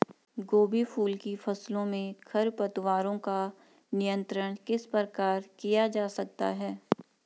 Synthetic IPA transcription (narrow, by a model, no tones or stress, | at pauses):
ɡoːbifʰuːlkifʰɐslõmẽkʰɐɾpɐt̪waːɾõka | nɪjə̃nt̪ɾəɽ̃kɪspəkaːɾkijad͡ʒaːsɐk̚t̪a̰ɦɛː